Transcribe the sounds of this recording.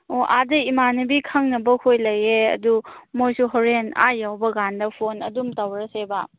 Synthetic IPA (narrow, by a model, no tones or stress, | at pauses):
oʔadɐimanɐbikʰɐŋnɐbɐkʰojlɐjeɐ̰dumojsuɦoɾena̰jawbɐɡandɐpʰonɐ̰dumtawɾɐsebɐ